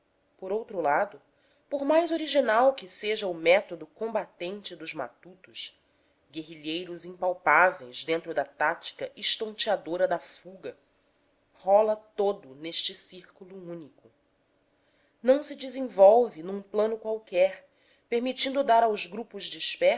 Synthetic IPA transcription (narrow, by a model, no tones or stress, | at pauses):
poɾowt̪ɾulad̪ʊ | poɾmajzoɾiʒinawkɪseʒɐʊmɛt̪od̪ʊkõmbat̪ẽnt͡ʃɪd̪ʊzma̰t̪ut̪ʊʃ | ɡeɦiʎejɾʊzĩŋpawpavejzd̪ẽnt̪ɾʊd̪ɐt̪at͡ʃi̥kɐʔiʃt̪õnt͡ʃiad̪oɾɐd̪ɐfuɡɐ | hɔlɐt̪od̪ʊneʃt͡ʃɪsiɾkuluũnikʊ | nɐ̃w̃sɪd͡ʒizẽvɔwvɪnũplɐ̃nʊkwawkɛχ | peɾmit͡ʃĩnd̪ʊd̪aɾawzɡɾupʊzd͡ʒiʃpɛ